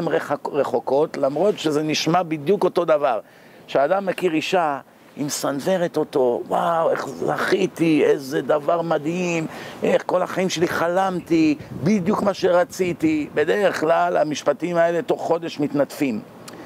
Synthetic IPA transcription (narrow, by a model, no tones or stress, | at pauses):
emʁeʁeχo̞ko̞tlamʁo̞tʃeze̞niʃmabid̪juko̞to̞d̪avaʁ | ʃeaːd̪amːekiʁiʃa | imsanve̞ʁet̪o̞to̞wawe̞̰χzaχit̪iezed̪avaʁmad̪ɦimʔeχko̞laχaimʃe̞liχalamt̪ibid̪jukmaʃeʁat͡sitibe̞d̪e̞ʁe̞χlalamiʃpatimae̞let̪o̞χːo̞d̪e̞ʃmit̪nat̪fim